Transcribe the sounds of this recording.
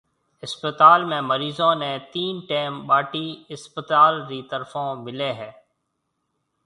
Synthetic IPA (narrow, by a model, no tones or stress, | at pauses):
ɪspət̪aːlmẽːməɾiːzõːnɛ̃ːt̪iːnʈeːmɓaːʈiːɪspət̪aːlɾiːt̪əɾfõːmɪleːɦɛː